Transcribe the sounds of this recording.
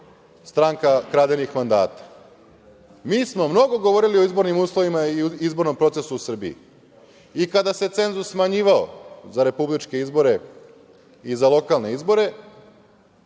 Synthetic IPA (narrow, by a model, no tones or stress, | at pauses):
st̪ɾaŋkakɾaːd̪enixmand̪aːt̪ḁ | miːsmo̞mno̞ɡo̞ɡo̞ʋo̞ɾilioizbo̞ɾnimuːslˠo̞ʋimaiizbo̞ɾnompɾo̞t̪se̞suusr̩biḭ | ikad̪ase̞t̪se̞nzusːmaɲiːʋao̰zaɾe̞publit͡ʃke̞izbo̞ɾe̞ | izalo̞kalˠne̞izbo̞ɾe̞